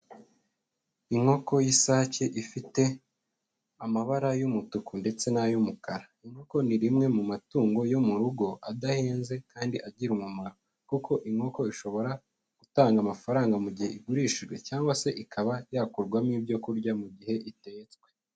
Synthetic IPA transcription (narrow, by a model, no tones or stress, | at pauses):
iŋho̞ko̞jisaceʔifite̞ | amaβaɾajumutukunde̞t͡se̞najumukaɾa | iŋho̞ko̞niɾimŋe̞mumatuːŋɡo̞jo̞muɾuɡo̞ʔadaheːnze̞kaːndiʔaɟiɾumumaɾo | kukʰo̞ʔiŋo̞ko̞iʃo̞βo̞ɾa | ɡ̥utaːŋɡamafaɾaːŋɡamuɟihe̞ʔiɡuɾiːʃiʒɡwe̞caːŋɡwase̞ʔikʰaβajakuɾɡwamiːbɟo̞kuɾɟamuɟihe̞ʔite̞t͡skwe̞̥